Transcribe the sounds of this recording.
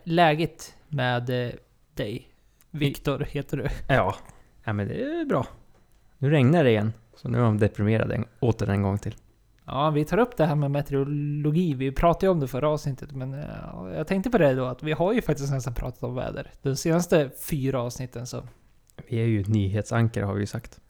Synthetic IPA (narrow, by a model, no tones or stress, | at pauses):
lɛːɡət̪mɛːd̪ | d̪ɛj | vɪkt̪ʊɾheːt̪əɖɛjɑːnɛmɛnd̪ɛ̰æbɾɑː | nʉ̟ːɾɛŋnəɖɪjɛnː | sɔnʉ̰ːhmd̪ɛpɾɪmeːɾa̰d̪ɛ̰oːt̪əɖɛ̰nɡɔŋːt̪ʰɪl | jɑ̰ːvɪt̪ʰɑːɾɵpːd̪ɛɦæːɾmɛmɛt̪ɛɾʊlʊɡiːvɪpʰɾɑːt̪ajəɔmd̪ɛfœɾːaɑːvsnɪt̪ʰːət̪mɛn̰jɑ̰ːɡt̪ʰɛŋkt̪əpʰɔd̪ɛd̪oat̪vɪɦaɾjɵfak̚t̪ɪsknɛst̪anpʰɾʔɑ̰ːt̪ḁt̪ɔmvɛ̰ːd̪ə̰ɾd̪̥ɔseːnast̪əfyːɾaɑːvsnɪt̪ʰːənsɔ̰ | vɪæɾjɵnyːɦeːt̪saŋkəɾhaɾvɪ̰jɵsakt̪